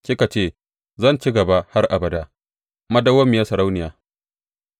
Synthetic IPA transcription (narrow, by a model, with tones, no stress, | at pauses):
kʲɪ˦ka˨t͡ʃeː˦˨ | zɐ˦˨nt͡ʃi˦ɡɐ˨ba˦ha˦rʔa˨bɐ˨da˦ | mɐ˦dɐ˦wɐ˦mːɪ˨ja˦sɐ˨ɾa˦wnɪ˨jaː˨